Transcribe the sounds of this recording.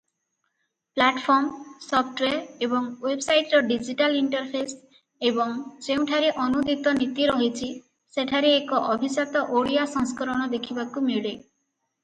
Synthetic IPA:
plaʈpʰɔɾmsɔpʰʈweɾebɔŋwebsajʈɾɔɖid͡ʒiʈaliɳʈɔɾpʰes | ebɔŋd͡ʒeũʈʰaɾeʔɔnud̪ʱit̪ɔnit̪iɾɔɦit͡ʃʰi | seʈʰaɾeːkɔʔɔbʱisat̪ɔʔoɽijasɔŋskɔɾɔɽ̃ɔd̪ekʰibakumiɭe

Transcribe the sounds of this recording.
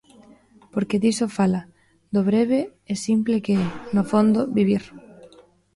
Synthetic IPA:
poɾkeðisofala | d̪oβɾeβeɛsimplekeɛnofond̪oβiβ̞iɾ

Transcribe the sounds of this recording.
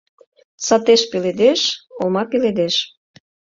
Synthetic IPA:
sɑt̪eʃpiled̪eʃolmɑpiled̪eʃ

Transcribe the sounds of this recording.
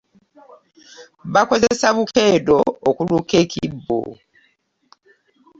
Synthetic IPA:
βako̞zesaβukeːdoːkulukekʰibːo̰

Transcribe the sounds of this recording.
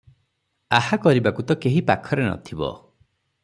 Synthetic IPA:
ahakɔɾibakut̪ɔkeɦipakʰɔɾenɔ̰t̪ʰibɔ̰

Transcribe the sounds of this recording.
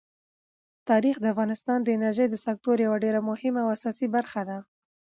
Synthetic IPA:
t̪ɑɾixd̪əafɣɑnɪst̪ɑnd̪əɪnaɾʒəjd̪əsak̚t̪oɾjawaɖeɾamʊhɪmaawasɑsibaɾxad̪a

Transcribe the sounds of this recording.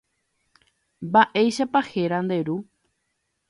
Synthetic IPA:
mbaʔe̞jʃapahe̞ɾãnd̪e̞ɾu

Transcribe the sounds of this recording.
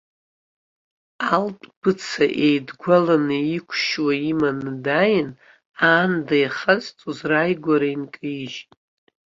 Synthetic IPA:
altʼb̥ɨt͡sʰaʔejdɡʷalanɨikʷʰʃwaimandajɪn | aːndajχazt͡sʼuzrajɡʷaɾainkʼɨiʒtʼ

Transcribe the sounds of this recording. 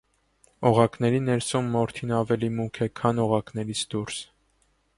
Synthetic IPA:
ɔʁɑknɛɾinɛɾsumːɔɾt̪ʰinɑvɛlimukʰɛkʰɑnɔʁɑkn̪ɛɾit͡sʰd̪uɾs

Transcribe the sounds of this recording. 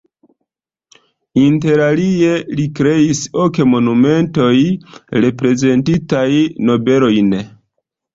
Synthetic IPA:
inte̞ɾalielikɾe̞iso̞kemo̞nume̞nto̞jɾe̞pɾe̞ze̞ntitajno̞be̞lo̞jn

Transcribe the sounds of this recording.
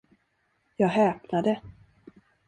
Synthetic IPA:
jɑːɡɦɛːpnad̪ə

